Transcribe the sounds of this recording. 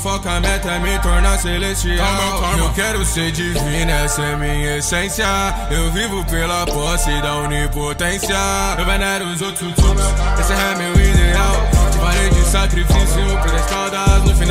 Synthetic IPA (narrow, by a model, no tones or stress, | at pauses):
fɔkɐmɛt̪ɐmẽt̪oɾnaselet͡ʃiakɔɾmokɛɾʊsed͡ʒizminɛsɛmĩɲɐesẽsjɐ | ewvivʊpelɐpɔsɪd̪ɐunipot̪ẽsijɐewbẽnɛɾʊ̃zot̪ut̪uɾueseɦɛmewid̪eawd͡ʒimaɾed͡ʒɪsakɾifisjʊpeɾɐt̪ɔd̪ɐzʊfin